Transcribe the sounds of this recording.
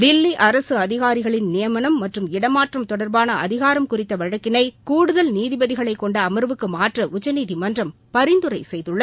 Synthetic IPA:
d̪ɪlːiʔɐɾɐsɯɐðɪɣaːɾɪɣɐɭɪnnɪjɐmɐnɐmːɐʈrɯmɪɽɐmaːʈrɐmt̪ɔɽɐɾbaːnɐʔɐðɪɣaːɾɐmkʊrɪt̪ːɐʋɐɻɐkːɪnɐɪkuːɽɯðɐlniːðɪbɐðɪɣɐɭɐɪkːɔɳɖɐːmɐɾʋɯkːɯmaːʈrɐʔʊt͡ʃːɐniːðɪmɐndrɐm | pɐɾɪnd̪ɯɾɐɪsɛjðɯɭːɐ

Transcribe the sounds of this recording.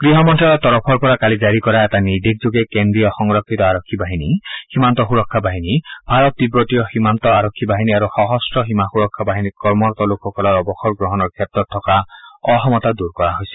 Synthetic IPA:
ɡ̥ɾiɦɔmɔnʈʰaɾɔt̪ɔɾɔpʰɔɾpɔɾakalid͡ʒaɾikɔɾaet̪anid̪ik̚d͡ʒoɡekend̪ɾijɔxɔŋɾɔkʰːit̪ɔaɾɔkʰːibaɦinihimant̪ɔxuɾɔkʰːabaɦinibʱaɾɔt̪ːibɾɔt̪ijɔhimant̪ɔaɾɔkʰːibaɦiniaɾuxɔɦɔstɾɔɦimaxuɾɔkʰːabaɦinikɔɾmɔɾt̪ɔlokʰɔkɔlɔɾɔbɔxɔɾɡɾɔɦɔnɔɾkʰjet̪ɔt̪ʰːɔkaɔɦɔmɔt̪ad̪uɾkɔɾaɦojsi̥

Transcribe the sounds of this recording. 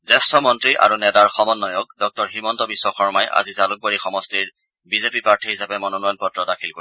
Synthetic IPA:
zɛstɔmɔntɹiʔa̰ɹunɛtaɹxɔmɔnːɔjɔk̚dɔk̚tɔɹɦimɔntɔbisːɔxɔɹmajʔa̰zizaluk̚boɹixɔmɔstiɹ | bizepipaɹtʰiɦisapɛmɔnɔnɔjnpɔtɹɔdakʰilko

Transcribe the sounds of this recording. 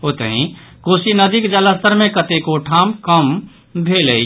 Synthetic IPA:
ɦot̪əɦĩ | kosinəd̪ikd͡ʒələst̪əɾmẽkət̪ekoʈʰamkəm | bʱelə

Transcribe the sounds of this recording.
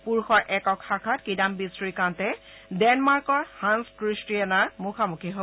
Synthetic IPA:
puɹxɔɹʔɛkɔkxakʰatkidambisɹikãntɛ | dɛnmaɹkɔɹhãnskɹistianaɹmukʰamukʰiɦo

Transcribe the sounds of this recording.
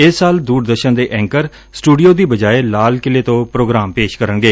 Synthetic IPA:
ɪsaːld̪uːɾd̪əɾʃənd̪eːʔɛ̃ːŋkəɾ | sʈuːɖijoːd̪iːbəd͡ʒaːeːlaːlkɪleːt̪õːpɾoːɡɾaːmpeːʃkəɾənɡeː

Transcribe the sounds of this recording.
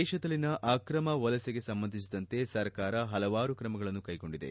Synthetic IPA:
ɛːʃɐd̪ɐlːinɐʔaːkɾɐmɐʋɐlɐseɡe̞sɐmbɐnd̪ʱis̬id̪ɐnt̪e̞sɐɾkaːɾɐɦɐlɐʋaːɾukɾɐmɐɡɐɭɐnːukɐjɡo̞ɳɖid̪e̞̰

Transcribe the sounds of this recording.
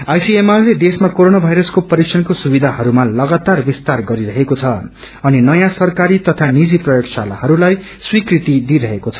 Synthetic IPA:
ajsiemarled̪esmakoɾonabʱajɾʌskopʌɾiksʰʌnkosubid̪ʱaɦʌɾumalʌɡat̪arbist̪arɡʌɾiɾʌɦekot͡sʰʌ | ʌninʌjãsʌrkaɾit̪ʌt̪ʰanid͡ziprʌjoksala̰ɦʌɾulaj | swikrit̪id̪iɾʌɦekot͡sʰʌ̥

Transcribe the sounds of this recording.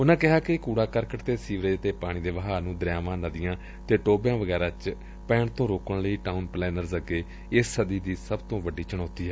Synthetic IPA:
ʊnãːkɪɦaːkɪkuːɽaːkəɾkəʈt̪eːsiːʋɾeːd͡ʒət̪eːpaːɽ̃ĩːd̪eːʋəɦaːnũːd̪əɾjaːʋãːnəd̪ɪjãː | t̪eːʈoːbjãːʋəɡɛːɾãːt͡ʃ | pɛːɳt̪õːɾoːkəɳləiːʈaːʊnplɛːnəɾzəɡeː | ɪsːəd̪iːd̪iːsəbt̪õːʋəɖːiːt͡ʃəɳɔːt̪iːɛː

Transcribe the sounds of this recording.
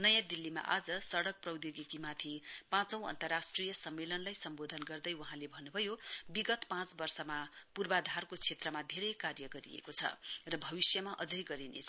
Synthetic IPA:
nʌjãd̪ilːima̰ʔad͡zʌsʌɽʌk̚prʌwd̪joɡikimat̪ʰipãt͡sʌ̃w̃ʌ̰nt̪ʌrasʈrijʌsʌmːelʌnlajsʌmbod̪ʱʌnɡʌrd̪ʌjwuɦãlebʱʌnːubʱʌjobiɡʌt̪pãt͡sbʌrsʌmapurbad̪ʱarkot͡sʰet̪rʌmad̪ʱeɾʌjkarjʌɡʌɾḭḛkot͡sʰʌ̰rʌbʱʌbisjʌmaʔʌd͡zʌjɡʌɾinḛt͡sʰʌ

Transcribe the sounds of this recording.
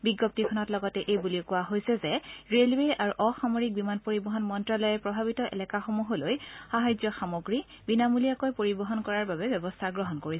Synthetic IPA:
biɡɔp̚tikʰɔnɔtlɔɡɔtɛʔejbuliokʊwaɦojsɛzɛɹelweaɹuʔɔxamoɹik̚bimanpoɹibɔɦɔnmɔntɹalɔjɛpɹɔbʱaβitɔʔɛ̰lɛkaxɔmuɦɔlojxaɦajzɔxamoɡɹi | binamulijakojpoɹibɔɦɔnkɔɹaɹbabɛbɛbɔstʰaɡɹɔɦɔnkoɹisɛ

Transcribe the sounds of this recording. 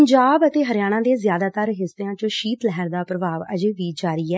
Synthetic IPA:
ɲd͡ʒaːbət̪eːɦəɾɪjaːɽ̃ãːd̪eːzjaːd̪aːt̪əɾɦɪseãːt͡ʃoʃiːt̪lɛɦɛɾd̪aːpɾəbaːʋə̰d͡ʒeːʋiːd͡ʒaːɾiːɛː

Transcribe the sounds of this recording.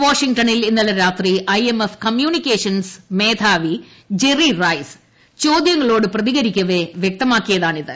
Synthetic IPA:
ʋaːʂiŋɡʈɐnilinːɐlɐɾaːt̪riʔɐjemɐfkɐmjuːnikʲːeːʂɐnsme̞ːd̪ʰʱaːʋi | d͡ʑerirɐjs | t͡ɕo̞ːd̪jɐŋːɐɭo̞ːɽɨprɐðiɣɐɾikʲːɐʋeʋjek̚t̪ɐmaːkːijɐðaːɳiðɨ

